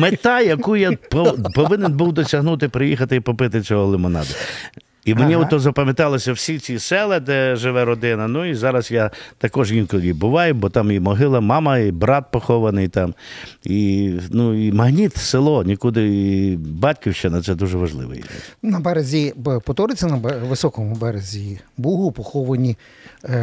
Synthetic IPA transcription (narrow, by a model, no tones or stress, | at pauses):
met̪ɑjɐkujapɔpɔʋɪnenbuwd̪ɔsʲɐɦnut̪ɪpɾɪjixɐt̪ɪipɔpɪt̪ɪt͡sʲɔɦɔlˠɪmɔnɑ̰d̪ɐ | imenʲiɔt̪ːɔzɐpɐmʲjɐt̪ɑlˠɔsʲɐwsʲit͡sʲisɛlˠɛd̪ɛʒɪʋɛɾɔd̪ɪnɐnuizɑɾɐsjat̪ɐkɔʒjʲinkɔʋʲid̪̚bʊʋɑjʊbɔt̪ɑmimɔɦɪlˠɐmɑmɐibɾɑt̪̚pɔxɔʋɐnɪjt̪ɑminuimɐɦnʲit̪selˠɔnʲikud̪ɪ | bɑtʲkʲiwʃt͡ʃɪnɐt̪sɛd̪uʒɛʋɐʒlˠɪ̰ʋɛ̰jḭɛ̰nɐbɛɾɐzʲipɔt̪ɔɾɪt͡sʲɐnɐbʋɪsɔkɔmʊbɛɾezʲibuɦʊpɔxɔʋɐnʲi